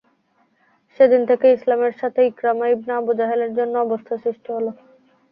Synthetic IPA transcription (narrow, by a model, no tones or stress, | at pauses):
ʃed̪int̪ʰekeislameɾʃat̪ʰeikɾamaibnaabud͡ʑaɦeleɾd͡ʑonːoɔbost̪ʰaʃɾiʃʈʰiɦolo